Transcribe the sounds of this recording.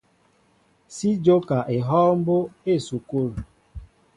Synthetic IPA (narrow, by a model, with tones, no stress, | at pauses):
si˦d͡ʒo˦ka˨ʔe˨ɦɔː˦m̩˦bo˦e˦˨su˨ku˦ɾu˨